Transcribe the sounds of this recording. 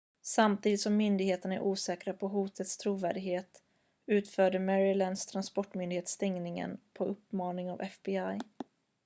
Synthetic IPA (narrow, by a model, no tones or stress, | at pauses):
samt̪ʰiːd̪ɪt̪sɔmːʏnd̪ɪɡheːt̪ənæ̰ɾʔuːsɛːkɾapʰɔɦuːt̪ʰət̪st̪ʰɾuːvæ̰ːɖɪɡɦeːt̪ | ʉ̟ːt̪fœːɖəmɛɾɪlɛnd̪st̪ʰɾanspɔʈːmʏnd̪ɪheːt̪st̪ɛŋnɪŋə̰npʰɔɵpːmɑːnɪŋavɛfbɪaj